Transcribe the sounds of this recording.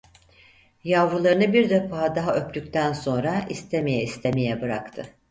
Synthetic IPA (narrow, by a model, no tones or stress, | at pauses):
javɾulˠaɾɯnɯbiɾd̪efaːd̪aɦaʔø̞pt̪yk̚ʲt̪ʰænso̞nɾaist̪ʰeme̞jɛist̪ʰemejɛbɯɾakt̪ʰɯ